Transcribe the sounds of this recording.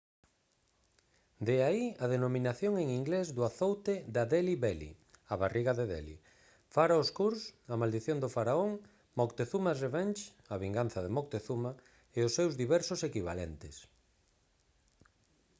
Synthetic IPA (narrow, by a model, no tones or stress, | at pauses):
d̪eaiaðenomĩnaθjoŋeŋiŋɡlezðʊaθowt̪eðaðeliβɛlḭ | aβariɣaðeðḛlḭ | faɾaoskuɾsamald̪iθjond̪ʊfaɾaoŋ | mokt̪eθumareβɛnt͡ʃ | aβiŋɡan̟θaðemok̚t̪eθuma | eʊsːewzðiβɛɾsʊsekiβ̞alḛnt̪ɪs